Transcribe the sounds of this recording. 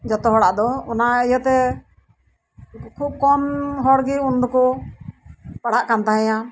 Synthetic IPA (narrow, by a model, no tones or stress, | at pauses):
d͡ʒɔt̪ɔɦɔɽaʔd̪ɔɔnaijɔt̪ɛ | kʰub̚kɔmɦɔɽɡiund̪ɔkɔ | paɽaʔkant̪aɦɛ̃ja